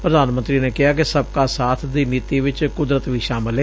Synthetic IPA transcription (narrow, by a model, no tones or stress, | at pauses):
pɾəd̪aːnmənt̪ɾiːneːkɪɦaːkɪsəb̚kaːsaːt̪ʰd̪iːniːt̪iːʋɪt͡ʃkʊd̪ɾət̪ʋiːʃaːmɪleː